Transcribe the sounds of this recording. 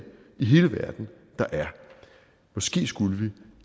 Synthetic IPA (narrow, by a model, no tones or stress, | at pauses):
iɦe̝ːləʋæɐ̰d̥n̩ | d̥ɑ̈ʔæɐ | mɒ̽sɡ̥e̝̰ːsɡ̥uləʋi